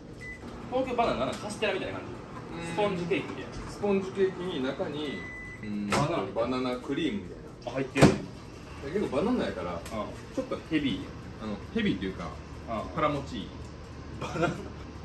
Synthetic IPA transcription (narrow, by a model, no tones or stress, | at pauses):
t̪oːkʲoːbananaakaɕi̥t̪eɾamʲit̪ajnakaɲd͡ʑi | sɨ̥põ̞ɲd͡ʑik̪e̞ːkʲimʲit̪aj̰nsɨ̥põɲ̟d͡ʑike̞ːkʲiɲ̟inakaɲ̟i | ɯ̃anabananakɯ̟ɾʲiːmɯ̟mʲit̪a̰inahait̪ːeɾɯ | d̪ake̞kːo̞banãnːaikaɾa̰a | t͡ɕo̞t̪ːo̞he̞bʲi | ano̞he̞bʲit̪ːejɯ̟ːka̰ | apaɾamo̞t͡ɕḭː | bana